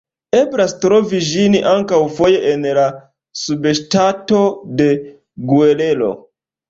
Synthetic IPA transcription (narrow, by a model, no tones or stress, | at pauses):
e̞bɾastɾo̞viʒiniʔaŋkawfo̞je̞ʔenla | subeʃtato̞de̞ | ɡuele̞lo̞̰